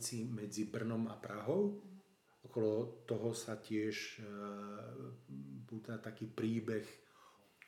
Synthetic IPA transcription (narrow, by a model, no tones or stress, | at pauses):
t͡simɛd͡zibr̩nɔmapɾaɦɔʊ | ɔkɔlɔt̪ɔɦɔsacɪɛʃ | puːt̪at̪akiːpɾiːbɛx